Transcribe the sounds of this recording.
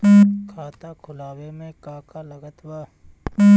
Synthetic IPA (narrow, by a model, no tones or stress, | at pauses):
kʰaːt̪akʰʊlaːwemẽkaːkaləɡət̪waː